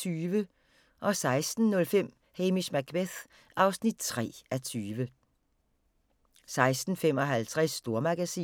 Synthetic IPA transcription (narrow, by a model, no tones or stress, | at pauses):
yːʋə | ʔɒ̽sɑ̈ɪsd̥n̩nɔ̽lfem̰ | heːmismæɡ̥ʰbeθ | ʔɑ̈ʊsnid̥̚t͡sʰʁɛ̰ːæt͡sʰyːʋə | sɑ̈ɪsd̥n̩fem̰ɒɦælt͡sʰʁɛsːd̥o̝ɐmɑɡ̥æsḭː